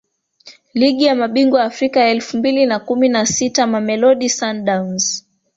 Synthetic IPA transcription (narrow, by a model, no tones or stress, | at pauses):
liɠijamaɓiŋɡwaːfɾikajaɛlfumbilinakuminasitamamɛlɔɗisanɗawnz̥